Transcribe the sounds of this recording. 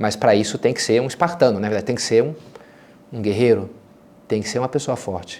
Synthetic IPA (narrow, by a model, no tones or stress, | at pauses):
mɐspɾɐisʊt̪ẽj̃kɪ̥seɾũispaɾt̪ɐ̃nʊnɐveɾd̪ad͡ʒɪt̪ẽj̃ŋkɪ̥seɾũ | ũɡeɦejɾʊ | t̪ẽj̃kɪseɾũmɐpesoɐfɔɾt͡ʃɪ̥